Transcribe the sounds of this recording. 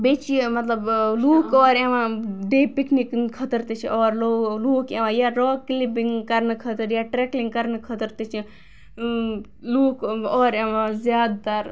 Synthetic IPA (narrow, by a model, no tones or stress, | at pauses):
beːt͡ʃimɐt̪lɐbluːkɔːɾeʋãːɖeːpikniknkʰət̪əɾt̪et͡ʃʰiʔɔːɾloːluːkẽʋãːjaːɾoːklipiŋɡkɐɾnkʰɐt̪əɾjaːʈɾeːkliŋɡkɐɾnkʰət̪əɾt̪et͡ʃʰi | luːkɔːɾeʋãːzjaːd̪t̪aɾ